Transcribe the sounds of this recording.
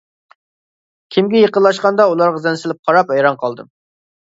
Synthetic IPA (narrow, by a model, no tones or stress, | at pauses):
kʲʰimɡʲɛjeqənlˠɑʃqɑnd̪ɑulˠɑɾʁɑzɛnsɪlɪp̚qʰɑɾɑpɛjɾɑnqʰɑlˠd̪ɨ̰